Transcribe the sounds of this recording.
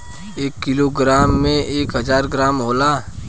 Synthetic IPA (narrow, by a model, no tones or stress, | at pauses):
eːkːɪloːɡɾaːmːẽeːkɦəzaːɾɡɾaːmɦoːlaː